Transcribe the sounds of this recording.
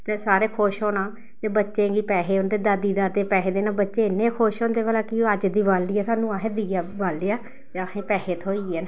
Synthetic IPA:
t̪eːsaːɾeːkʰoːʃɦoːnãː | t̪eːbətːʃẽːɡiːpɛːɦeːʊnd̪eːd̪ad̪iːd̪aːd̪eːpɛːɦeːd̪eːnãːbətːʃeːɪnːeːkʰoːʃɦoːnd̪eːʋaːlaːkiəd͡ʒd̪iːʋaːlːiːaːsaːnũːaɦed̪iːaːʋaːleaː | t̪eəkʰẽːpɛːheːt̪ʰoːiːen

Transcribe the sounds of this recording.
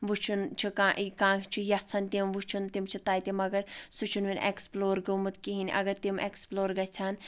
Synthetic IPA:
ʋut͡ʃʰunt͡ʃʰikãːʔikãːt͡ʃʰijɐt͡sʰɐnt̪imʋut͡ʃʰunt̪imt͡ʃʰit̪aːjt̪imɐɡɐɾsut͡ʃʰunʋinʲʔḛksploːɾɡəmut̪kiɦinʲʔɐ̰ɡɐɾt̪imʔeksploːɾɡɐt͡sʰɐn

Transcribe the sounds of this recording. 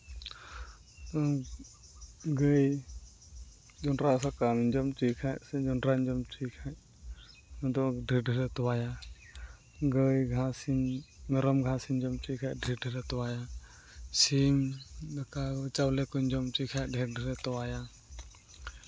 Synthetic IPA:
ɔ | ɡəj | d͡ʒɔnɾasakamiɲd͡ʒɔmt͡ʃikʰajʔsɛd͡ʒɔnɾaɲd͡ʒɔmt͡ʃikʰaɲ | ɔd̪ɔɖʱɛɖʱɛɾɛt̪ɔwaja | ɡəjɡʱãsimmɛɾɔmɡʱãsiɲd͡ʒɔmt͡ʃikʰaʔɖʱɛɖʱɛɾɛt̪ɔwaja | simd̪akat͡ʃawlɛkɔɲd͡ʒɔmt͡ʃikʰaj̚ɖʱɛɾɖʱɛɾɛt̪ɔwaja

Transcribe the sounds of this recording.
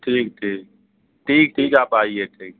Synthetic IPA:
ʈʰiːk̚ʈʰiːk̚ | ʈʰiːk̚ʈʰiːkaːpaːieʈʰiːk̚

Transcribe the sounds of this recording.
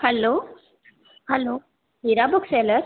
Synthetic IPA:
hɛlo | hɛlo | ɦiɾabuksɛləɾ

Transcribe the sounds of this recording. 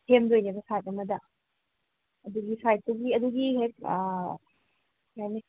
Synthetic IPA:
tʰemdojnibɐsajt̚ɐmɐdɐ | ɐduɡisajt̚tɐɡiɐd̪uɡiɦek̚ː | kajni

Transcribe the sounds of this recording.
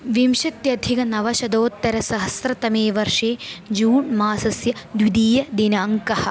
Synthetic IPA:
ʋimʃɐt̪jɐd̪ʱikɐnɐʋɐʃɐd̪oːt̪ːɐɾɐsɐɦɐsɾɐt̪ɐmeːʋɐɾʂeːd͡ʒuːɳmaːsɐsjɐd̪ʋid̪iːjɐd̪inɐːŋkɐhɐ̆

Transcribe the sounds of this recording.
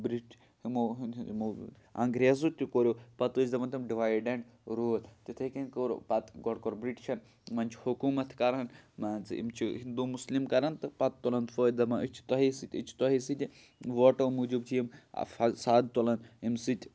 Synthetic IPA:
bɾiʈ | himoɦmo | ɐ̰ŋɡɾezut̪ʲikoɾʲjopɐt̪ud͡ʒʲd̪ɐmɐnt̪ʰimɖiʋaːjɖeɳʈɾult̪it̪ʰɐkenkoɾpɐt̪ɡɔɽkoɾbɾiʈt͡ʃʰɐn | mɐnt͡ʃʰhukuːmɐt̪ʰkɐɾɐnmɐnt͡sḭmt͡ʃʰiɦind̪umuslimkɐɾɐnt̪ɨpɐt̪ːolɐnt̪foːd̪ɐmɐt͡ʃʰt̪ɔɦisit̪ʲɨt͡ʃʰt̪ɔɦisit̪ʲ | ʋoʈɐmud͡ʒubt͡ʃʰijim̰fɐsaːd̪̚t̪olɐnimsit̪ʲ

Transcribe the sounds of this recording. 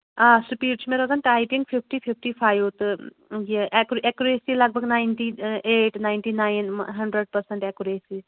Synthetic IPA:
ãːsupiːɾt͡ʃʰumeːɾoːɡ̪anʈaːjʈĩŋɡfʰif̚ʰʈipʰifʰʈifʰaːjut̪ɨ | jiʔɛkɾɛkuɾeːsilɐɡ̚bʱəɡnaːɪnʈieːʈnaɪɳʈinaːjnɦɐɳɖɾəɖ̚pɐɾsə̃ɳʈɛkuɾeːsiːz

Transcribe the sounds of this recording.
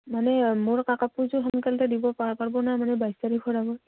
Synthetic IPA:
manɛmoɹkakapuzɔɦɔŋkaltɛdibɔpapaɹbɔnamanɛbajsaɹikʰɔɹabɔ

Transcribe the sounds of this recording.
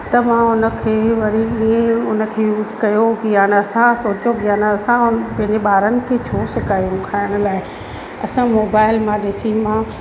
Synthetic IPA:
t̪ɐmãʊnə̆kʰeːʋɐɾiiːẽʊnə̆kʰeːjuːd͡ʒkɐjoɡijaːnɐsãsoːt͡ɕoɡijaːnɐsãpɐ̃ɦɪ̃ɲd͡ʑeɓaːɾənɪ̆kʰeːt͡ɕʰoːsɪkaːɾijũkʰaːɪɽ̃ʊ̆laːɪ | ɐsãmoːbaːɪlmãɗɪsimãː

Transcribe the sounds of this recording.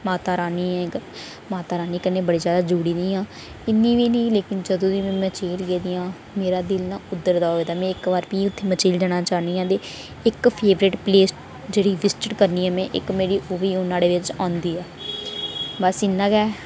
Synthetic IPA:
maːt̪aːɾaːniːɛ̃ːə | maːt̪aːɾaːniːkənːeːbəɽiːzjaːd̪aːd͡ʒuːɽiːd̪iːãː | ɪnːĩːʋiːnĩːleːkɪnd͡ʒəd̪õːʋimɛ̃ːmət͡ʃeːlɡɛːd̪ijãː | meːɾaːd̪ɪlnãːʊd̪ːəɾd̪aːoːed̪aːmɛ̃ːɪkʋaːɾpiːʊt̪ʰːeːmət͡ʃiːld͡ʒaːɽ̃aːt͡ʃaːniːãːd̪eː | ɪkpʰeːʋɾeːʈpleːsʈ | d͡ʒeːɽiːʋɪsʈɪʈkəɾniːɛːmɛ̃ːʔɪ̰kmeːɾiːʔoːʋiːʊnãːɽeːʋɪt͡ʃãːnd̪iːɛː | bəsɪnːãːɡɛː

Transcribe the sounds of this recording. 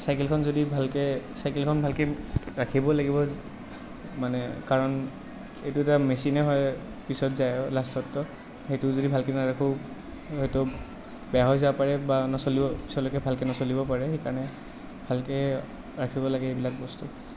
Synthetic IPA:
sajkɛlkʰɔnzodibʱalkɛsajkɛlkʰɔnbʱalkɛɹakʰibɔlaɡibɔ | manɛkaɹɔn | ejtʊɛtamesinɛɦɔj | pisɔtzajɔlastʰɔtːɔ | hejtʊzodibʱalkɛnaɹakʰu | hejtʊ | bɛaɦɔjzapaɹɛbanɔsolibɔpisɔlɔkɛbʱalkɛnɔsolibɔpaɹɛxekaɹnɛ | bʱalkɛ | ɹakʰibɔlaɡɛebilak̚bɔstu

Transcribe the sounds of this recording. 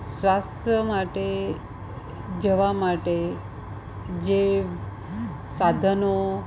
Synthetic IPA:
sʋast̪ʰjəmaʈe | d͡ʑeʋamaʈe | d͡ʑe | sad̪ʱəno

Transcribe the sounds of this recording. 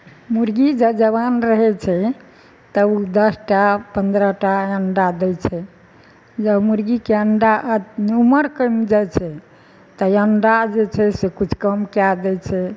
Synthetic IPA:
muɾɡid͡ʒəd͡ʒəβanɾəɦɛt͡ʃʰɛ | t̪əud̪əsʈapənd̪ɾəʈaəɳɖad̪ɛt͡ʃʰɛ | d͡ʒəbmuɾɡikeəɳɖaʔuməɾkəmd͡ʒat͡ʃʰɛ | t̪əjəɳɖad͡ʒet͡ʃʰɛsekut͡ʃʰkəmkead̪ɛt͡ʃʰɛ

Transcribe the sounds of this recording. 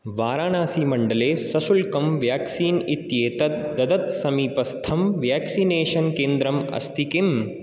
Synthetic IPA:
ʋaːɾaːnaːsiːmɐɳɖɐleːsɐsulkɐmʋjaːksiːnit̪jeːt̪ɐt̪d̪ɐd̪ɐt̪sɐmiːpɐst̪ʰɐmʋjaːksineːʃɐnkeːnd̪ɾɐmɐ̰st̪ʰikim

